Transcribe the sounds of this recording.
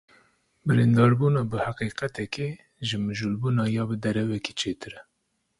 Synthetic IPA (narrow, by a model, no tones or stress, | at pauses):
bɨɾind̪ɑːɾbuːnɑːbɨhaqiːqɛt̪ɛkeː | ʒɨmɨʒulbuːnɑːjɑːbɨd̪ɛɾɛvɛke̥ːt͡ʃʰeːt̪ɨɾɛ